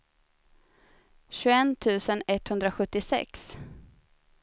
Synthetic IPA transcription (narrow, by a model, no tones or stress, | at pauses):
ɕʉɛnːt̪ʰʉ̟ːsənɛt̪ːhɵnd̪ɾaɧɵt̪ːɪsɛ̰ks